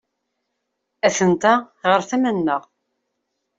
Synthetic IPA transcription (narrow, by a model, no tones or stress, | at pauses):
æθənt̪a | ʁəɾθæmænːəʁ